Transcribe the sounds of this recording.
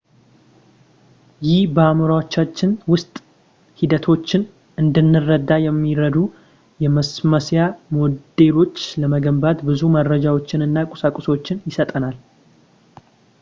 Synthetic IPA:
jɪhbəamuɾawot͡ʃːat͡ʃːɪnwʊst̪ʼ | hid̪ət̪ʰo̞t͡ʃːɪn | ɨnd̪ɨnːɨrːəd̪ːajɛmːiɾəd̪u | jɛməsməsjamod̪e̞lo̞t͡ʃːləməɡəmbat̪bɨzuməɾəd͡ʒawo̞t͡ʃːɪnɨnːakʼʊ̥sakʼʊso̞t͡ʃːɪnjɪsət̪ʼənal

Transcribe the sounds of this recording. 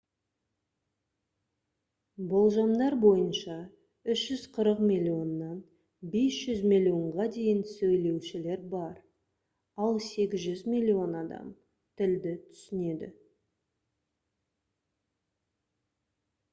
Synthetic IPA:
bo̞lˠʒɑmd̪ɑɾbo̞jənʃɑ | ʏʃʒ̥ʏz̥qʰəɾəqmʲilʲːio̞nːɑn | be̞sʒ̥ʏzmʲilʲio̞ɴʁɑd̪e̞jɪnsɵjle̞wʃɪle̞ɾbɑɾ | ɑlˠse̞ɡʲɪzʒʏzmʲilʲːio̞nɑd̪ɑ̰m | t̪ʰɪld̪ɪt̪ʰʏ̥sɪne̞d̪ɪ̰

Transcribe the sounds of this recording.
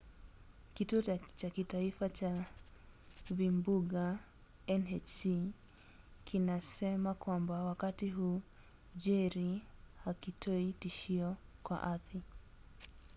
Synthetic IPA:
kituɔt͡ʃakitaifat͡ʃa | vimbuɠa | ɛnɛt͡ʃi | kinasɛmakwambawakatiɦuː | ʄɛɾihakitʰɔitiʃiɔkwa̰ʔaθi

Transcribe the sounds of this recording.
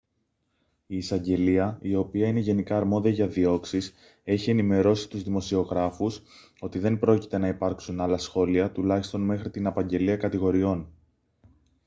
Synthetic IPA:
iːsɐɲɟe̞liɐio̞piɐine̞ʝe̞nikɐːɾmo̞ðiɐʝɐðio̞ksis | e̞çie̞nime̞ɾo̞si̥t̪uzðimo̞sio̞ɣɾɐfus | o̞t̪iðe̞mbɾo̞ci̥t̪e̞nɐipɐɾksunɐlɐsxo̞liɐt̪ulɐçist̪o̞nme̞xɾit̪inɐpɐɲɟe̞liɐkɐt̪iɣo̞ɾio̞n

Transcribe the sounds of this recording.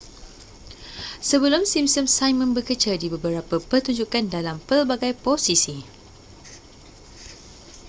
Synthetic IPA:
səbəlumsimsəmsajmə̃nbəkət͡ʃaldibəbəɾapəpərt̪uɲd͡ʒukandalampərbaɡajposisi

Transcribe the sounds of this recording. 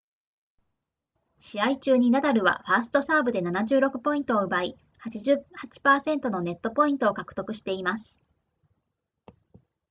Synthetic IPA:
ɕiait͡ɕɨːɲ̟inad̪aɾɯ̟βa̰ɸaːsɨ̥t̪o̞saːbɯ̟d̪e̞nanaʑɨːɾo̞kɯ̟̥po̞ĩnt̪o̞ːɯ̟bai | hat͡ɕiʑɨhat͡ɕi̥paːsẽ̞nt̪o̞no̞ne̞t̪ːo̞po̞ĩnt̪o̞ːkakɯ̟̥t̪o̞kɯ̟ɕi̥t̪e̞imasɨ̥

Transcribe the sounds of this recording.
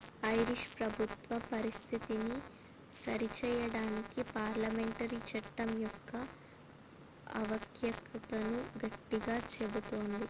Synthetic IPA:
ɐjɾiʂpɾɐbʱut̪ʋɐpɐɾist̪ʰit̪ini | sɐɾit͡ʃɛːjɐɽaːnikipaːɾlɐmeɳʈɐɾit͡ʃɐʈːɐmjɔkːɐ | ɐ̰ʋɐkjɐkɐt̪ɐnuɡɐʈːiɡaːt͡ʃebut̪oːnd̪i

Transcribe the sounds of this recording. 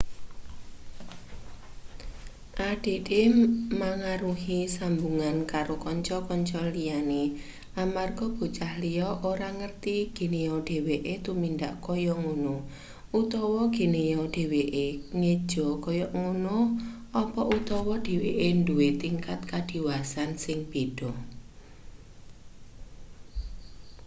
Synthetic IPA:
ʔaɖ̥e̤demaŋaɾuɦisambuŋankaɾokɔɲt͡ʃɔkɔɲt͡ʃɔlijane | amarɡ̥ɔ̤b̥ṳt͡ʃahlijɔʔoɾaŋərt̪iɡ̥e̤nejɔɖ̥e̤weʔet̪umindaʔkɔjɔŋunʊh | ut̪ɔwɔɡ̥e̤nejɔɖ̥e̤weʔeŋed̥ʒ̥ɔ̤kɔjɔŋunʊh | ɔpɔʔut̪ɔwɔd̥e̤weʔenduwet̪iŋkat̪̚kad̪̥i̤wasansɪŋb̥ed̥ɔ

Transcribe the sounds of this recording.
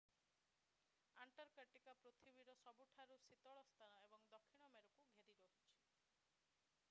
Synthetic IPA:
aɳʈɔɾkəʈikapɾot̪ʰibiɾɔsɔbuʈʰaɾusit̪ɔɭɔst̪ʰanɔebɔŋd̪ɔkʰːiɽ̃ɔmeɾɔkuɡʱeɾiɾɔɦut͡ʃʰi̥

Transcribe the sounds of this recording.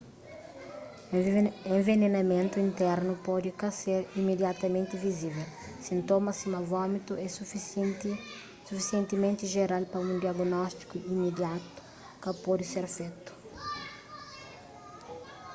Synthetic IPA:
ẽɱvenenɐmẽnt̪uĩnt̪ɛɾnupɔd̪ikaseɾimed̪jat̪ɐmẽnt̪ɪvizivel | sĩnt̪omɐsimavɔmit̪uɛsu | sufisiẽnt̪imẽnt̪ɪʒeɾalpɐũnd̪iaɡnɔst̪i̥kuimed̪jat̪u̥ | kɐpɔd̪ɪseɾfet̪u̥

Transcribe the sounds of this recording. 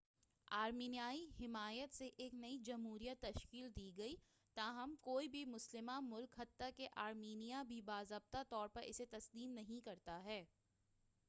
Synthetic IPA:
aːɾmiːnijaːihɪmaːjət̪seʔeːknɐid͡ʒɐmɦuːɾijət̪ːɐʃkiːld̪iːɡɐi | t̪aːɦɐmkoːibʱimʊslɪmamʊlkɦɐt̪ːakeʔaːɾmiːnijabʱibaːzɐb̚t̪at̪ɔːɾpɐɾʔɪ̰set̪ɐsd̪iːmnɐɦĩkɐɾt̪aɦɛː

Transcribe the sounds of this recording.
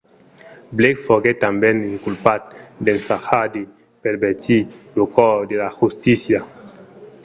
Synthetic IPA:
blekfoɡet̪ambeniŋkulpat̪̚d̪ensaxad̪i | peɾbet̪ilokɔd̪elaxust̪isja

